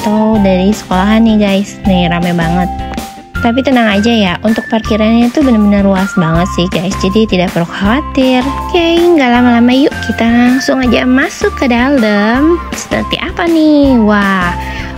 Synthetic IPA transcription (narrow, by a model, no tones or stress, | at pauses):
at̪awdaɾisə̥kolaɦanːɪɡajsniɾamabaŋət̪̚ː | ap̬it̪ənaŋad͡ʒajaʔunt̪ʊk̚pərkiɾanɲat̪ubənəbənəruasbaŋət̪sɪhɡajsd͡ʒadit̪idaʔpəɾukʰawat̪ɪrkajŋɡalamalamajʊʔkit̪aŋsʊŋad͡ʒa̰masʊkːədaldəmsə̥pə̰rt̪ḭʔapanɪhwa